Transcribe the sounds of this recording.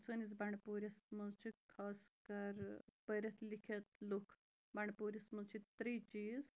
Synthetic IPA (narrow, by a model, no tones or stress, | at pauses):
t͡sɐnizbaɳɖpuːɾʲɐsmɐzt͡ʃʰikʰaːskɐɾpəɾʲɐt̪ʰlikʰɐt̪lukʰ | bɐɳɖpuːɾismɐzt͡ʃʰit̪ɾit͡ʃiːz